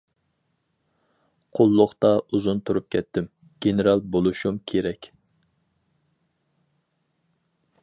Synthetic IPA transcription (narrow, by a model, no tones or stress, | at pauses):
qʰolˠːʊχt̪ɑuzunt̪ʰuɾup̚kʲʰɛt̪ʰːɪm | ɡ̥ʲeneɾɑlˠbolˠuʃumkʲʰeɾɛkʲ